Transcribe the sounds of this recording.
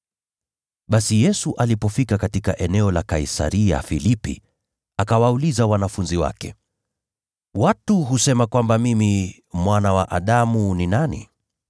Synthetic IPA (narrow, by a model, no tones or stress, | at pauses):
ɓasijɛsuʔalipɔfikakatikaʔɛnɛɔlakaisa̰ɾia̰filipḭ | akawaulizawanafunziwa̰kɛ | watuɦusɛmakwambamimi | mwanawa̰ʔaɗamuninanḭ